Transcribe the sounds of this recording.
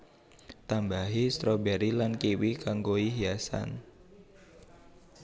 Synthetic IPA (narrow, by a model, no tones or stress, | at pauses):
t̪ambaɦist̪ɾɔbɛɾilankiwikaŋɡoiɦiasa̰n